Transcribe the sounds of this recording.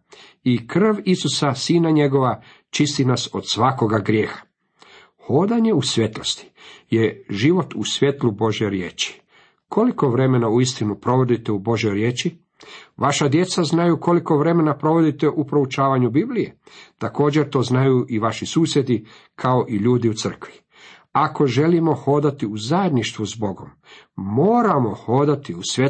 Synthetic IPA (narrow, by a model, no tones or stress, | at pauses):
ikr̩ʋisusasiːnaɲe̞ɡo̞ʋa | t͡ʃist̪inaso̞̰d̪sʋako̞ɡaɡɾje̞ːxḁ | xo̞d̪aɲe̞usʋje̞t̪lost̪i̥je̞ʒiʋo̞t̪usʋje̞t̪lubo̞ʒje̞jɾje̞ːt͡ʃi̥ | kʰo̞liko̞ʋɾe̞me̞nauist̪inupɾo̞ʋo̞d̪it̪e̞ubo̞ʒjo̞jɾje̞ːt͡ʃi | ʋaʃad̪je̞t̪saznajuːko̞liko̞ʋɾe̞me̞napɾo̞ʋo̞d̪it̪e̞ʔupɾo̞ut͡ʃaːʋaɲubiblije̞t̪ako̞ːd͡ʑe̞ɾt̪o̞ːznajuːʔiʋaʃisuːsje̞d̪i | kʰao̞ʔiʎuːd̪iut̪sər̩kʋi | ako̞ʒe̞limo̞xo̞ːd̪at̪iuzajed̪niʃt̪ʋuzbo̞ɡo̞mː | oːɾamo̞xo̞ːd̪at̪iusʋʲje